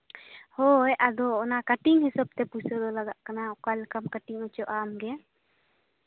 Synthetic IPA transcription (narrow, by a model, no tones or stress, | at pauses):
hɔjʔad̪ɔːnakaʈiŋɦisab̚t̪ɛpusɔd̪ɔlaɡaʔkanaɔkalkamkaʈiŋɔt͡ʃɔʔamɡɛ